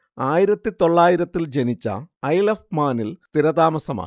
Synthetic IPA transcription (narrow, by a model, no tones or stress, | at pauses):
aːjiɾɐt̪ːit̪o̞ɭːaːjiɾɐt̪ːild͡ʑe̞nit͡ɕːɐ̰ɐjlɐfmaːnilst̪iɾɐd̪aːmɐsɐma̰ː